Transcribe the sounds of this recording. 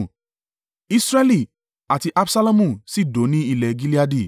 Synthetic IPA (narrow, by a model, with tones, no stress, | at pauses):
i˦sɾɛ˦li˦˨ | a˨ti˧ʔa˦bsa˦la˦mũ˦˨si˦˨do˨˦nĩ˦i˦˧˨lɛ˨ɡi˦li˦a˧di˦˨